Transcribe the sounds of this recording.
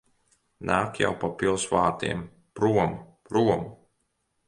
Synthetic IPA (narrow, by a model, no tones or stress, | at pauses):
naːkja̰wpapilˠsvaːt̪ḭɛm | pɾuɔmpɾuɔmu